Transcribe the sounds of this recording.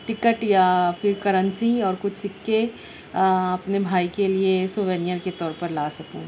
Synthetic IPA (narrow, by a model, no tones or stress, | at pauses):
ʈɪkəʈjafɪɾkɐɾə̃nsiɔːɾkʊt͡ʃʰsɪkːe | ɐpnebʱaːikeliesoʋeːnɪjəɾket̪ɔːɾpɐɾlaːsɐkṵ̃ː